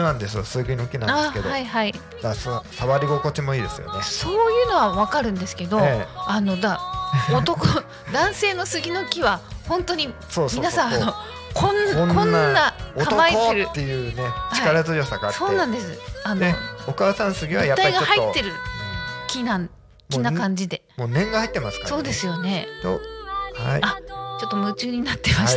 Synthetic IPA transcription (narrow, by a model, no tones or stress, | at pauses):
nãnd̪e̞sɨjo̰sɨɡʲino̞kʲinãnakeohaihai | d̪assaβaɾʲiɡo̞ko̞t͡ɕimo̞iːd̪e̞sɨ̰jo̰neso̞ːjɯ̟ːno̞βaβakaɾɯ̟̃nd̪e̞sɨ̥ke̞d̪o̞eano̞d̪aot̪o̞ko | d̪ãɰ̃se̞ːno̞sɨɡʲino̞kʲiβahõ̞nt̪oɲ̟i | soːmʲinassãano | kʰõnːaonkõnːaːaokaomaioɾɯːe̞jɯ̟ːnet͡ɕiaikaɾazɨjo̞sakaso̞ːnãnd̪e̞sɨanookaːsãñsɨɡʲiβajapt̪ːaːaiɡaohait̪ːe̞ɾɯ̟kʲinã | kʲinakãɲ̟d͡ʑid̪e̞moːnẽ̞ŋɡahait̪ːemasɨ̥kaso̞ːd̪e̞sɨjo̞ne̞oha̰iat͡ɕo̞t̪ːo̞mɯ̟t͡ɕɨːɲ̟inat̪ːe̞ma